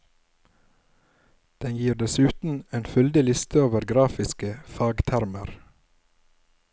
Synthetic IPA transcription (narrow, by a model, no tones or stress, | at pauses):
d̪̥ɛnjiːɾd̪ɛsʉːt̪n̩eːnfʉld̪ɪlɪst̪ʰəoːʋəɾɡɾɑːfɪskəfɑːɡt̪ʰæɾməɾ